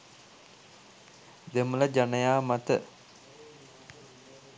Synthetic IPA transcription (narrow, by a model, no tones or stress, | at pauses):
d̪emələd͡ʒanəjaːmat̪ə